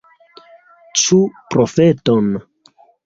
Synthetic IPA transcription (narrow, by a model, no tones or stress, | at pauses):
t͡ʃupɾofeton